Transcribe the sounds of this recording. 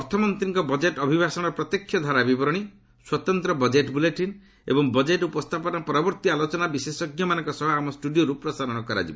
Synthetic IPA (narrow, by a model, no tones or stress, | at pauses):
ɔɾt̪ʰɔmɔnt̪ɾiŋkɔbɔd͡ʒeʈɔbʱibʱasɔɽ̃ɔpɾɔt̪jɔkʰːjɔd̪ʱaɾabibɔɾɔɽ̃i | swɔt̪ɔnt̪ɾɔbɔd͡ʒeʈbuleʈin | ḛbɔŋbɔd͡ʒeʈupɔst̪ʰapɔnɔpɔɾɔbɔɾt̪ialot͡ʃɔnabisesɔɡjɔmanɔ̃ŋkɔsɔɦɔamɔsʈuɖioɾupɾɔsaɾɔɽ̃ɔkɔɾa̰d͡ʒibɔ